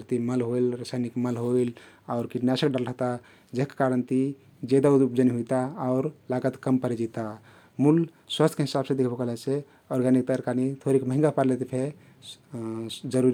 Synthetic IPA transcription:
ɾt̪iməlɦoilɾəsajnikməlɦoilaʊɾkiʈnjasəkɖalɾəɦt̪a | d͡ʒeɦkkaɾənt̪i | d͡ʒed̪aud̪upd͡ʒəniɦojt̪aːʊɾlaɡət̪kəmpəɾed͡ʒit̪a | mul | swast̪ʰkeɦisabsẽd̪ekʰbəkəlase | ɔɾɡanik̚t̪əəɾkanit̪ʰoɾikməɦĩŋɡapəɾlet̪ipʰe | d͡ʒəɾuɾi

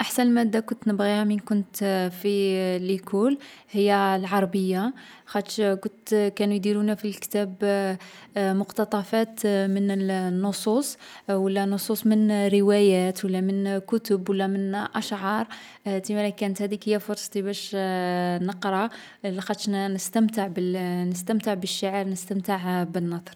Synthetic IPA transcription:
ʔaħsænlmæd̪ːækʊnt̪nəbɣihæminkʊnt̪filʔəkʰulhəjːælʕɑɾˤɑbəjːaxæt̪ʃkʊt̪kænujd̪iɾunæfilkə̥t̪æb | mʊqt̪ɑt̪ˤɑfæt̪mənənːosˤusˤwəlːænːʊsˤusˤmənɾəwæjæt̪wəlːæmənkʊt̪ʊbwəlːæmənʔæʃʕɑɾˤ | t̪imælækænət̪hæd̪ikhəjːæfʊɾsˤɑt̪ibæʃ | nəqɾˤɑ | lːixæt̪ʃnəst̪əmt̪əʕbənəst̪əmt̪əʕbəʃːaʕəɾnəst̪əmt̪əʕbənːɑd̪ˤɾˤ

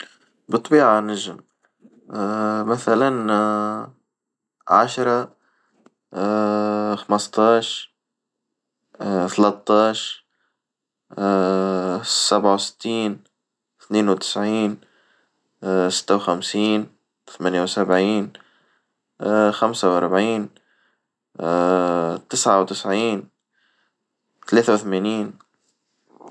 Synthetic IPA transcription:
bɨt̪ˤːbiːʕanaʒɪm | maθalan | ʕaʃɾˤɑ | xɑmɑst̪ˤɑːʃ | θalɑt̪ˤːɑːʃ | sabʕawsɪ̥t̪ʰːiːn | θneːnwt̪ɪ̥sʕiːn | sɪ̥t̪ːawxamsiːn | θamanjawsabʕiːn | xamsawʔɑ̰ɾˤbʕiːn | t̪ɪsʕawt̪ɪsʕiːn | t̪aleːθawθmeːniːn

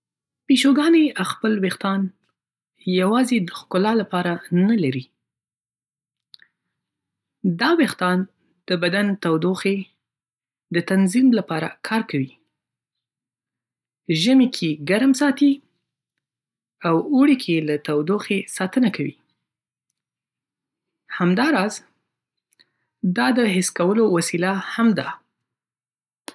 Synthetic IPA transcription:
peʃoɡɑneaxpəlwext̪ɑn | jawɑzed̪əxkʊlɑlapɑɾanalaɾi | d̪ɑwext̪ɑn | d̪̥əbad̪ant̪awd̪oxe | d̪ət̪anzimlapɑɾa̰kʰɑɾkawi | ʒəmekʰeɡaɾmsɑt̪i | awuɽikʰeelat̪awd̪oxesɑt̪ənakawḭ | hamd̪ɑɾɑz | d̪ɑd̪əɦɪskawəlowasilahamd̪a

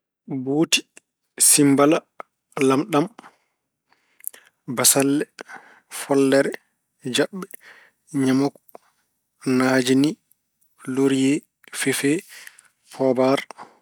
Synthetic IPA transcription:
buːti̥ | simbala | lamɗam | basalːɛ | fɔlːɛɾɛ | d͡ʒaɓːɛ | ɲamɔkɔ | naːd͡ʒini | loɾjɛ | fɛfɛ | pʰɔːbaɾ

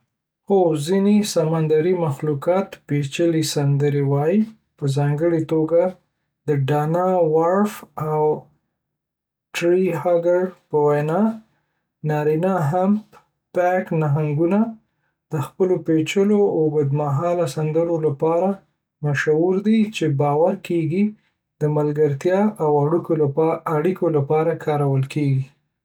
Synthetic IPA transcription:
xozinesamand̪aɾimaxlukɑt̪pet͡ʃəlisand̪əɾewɑji | pəzɑŋɡəɽet̪oɡa | d̪əɖɑnawaɾfaw | ʈɾiɦaɡaɾpəwajnɑ | nɑɾinɑɦamp | paknaɦaŋɡuna | d̪̥əxpəlopet͡ʃəloaɡəd̪maɦɑlasand̪əlolapɑɾa | maʃawuɾd̪it͡ʃebɑwaɾkeɡi | d̪̥əmalɡaɾt̪jɑʔawaɽukolaaɽikolapɑɾakʰɑɾawəlkʰeɡi

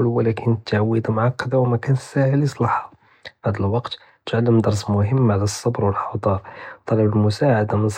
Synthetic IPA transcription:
lwəlækʰənt̪ːaʕwːəd̪mʊʕɑqːɑd̪awmækænsæʕəlisˤlɑħa | bæd̪əlwɑqt̪ | tət̪ʕalːəmd̪ɑɾˤs̬mʊɦəmːʕalæsˤːɑbɾwəlħɑwd̪ˤɑɾˤt̪ˤːɑlɑbəlmʊsaʕad̪amənsˤ

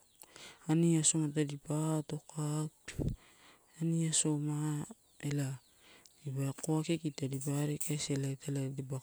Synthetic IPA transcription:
aniaso̞matadipato̞kak | aniaso̞ma | ela | ibakoakekitadibaɾekajselataladeba

